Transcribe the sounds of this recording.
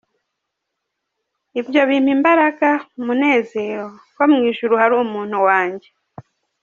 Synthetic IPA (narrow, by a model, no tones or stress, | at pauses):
iβjoβim̥imbaɾakamune̞ːze̞ːɾo̞komŋiːʃuɾuhaɾuːmuːn̥uwaːɲɟe